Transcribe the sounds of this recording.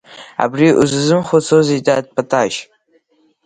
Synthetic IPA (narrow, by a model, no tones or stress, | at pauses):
a̰briʔṵzɨzɨmχʷot͡sʰozejtʼad̚pʰatʰʼaʃ